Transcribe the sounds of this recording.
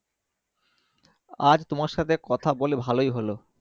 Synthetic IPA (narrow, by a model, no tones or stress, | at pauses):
ad͡ʑt̪omaɾʃat̪ʰekɔt̪ʰabolebʱalojɦolo